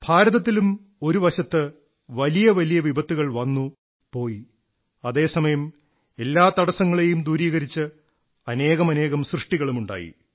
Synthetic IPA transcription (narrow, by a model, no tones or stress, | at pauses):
bʱaːɾɐðɐt̪̬ːilum | o̞ɾuʋɐɕɐt̪ːɨ | ʋɐlijɐʋɐlijɐʋibʱɐt̪ːuɣɐɭʋɐnːu | po̞ːji | ɐðe̞ːsɐmɐjɐm | e̞lːaːt̪ɐɽɐsɐŋːɐɭe̞jumd̪uːɾiːɣɐɾit͡ɕːɨ | ɐne̞ːɣɐmɐne̞ːɣɐmsrɨʂʈiɣɐɭumuɳɖa̰ːjḭ